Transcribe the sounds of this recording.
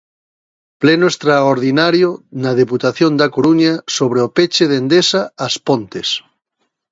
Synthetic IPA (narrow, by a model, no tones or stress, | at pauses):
plenoest̪ɾaoɾðinaɾjonað̞eput̪aθjond̪akoɾuɲasoβ̞ɾeopet͡ʃeðend̪esaːspõnt̪es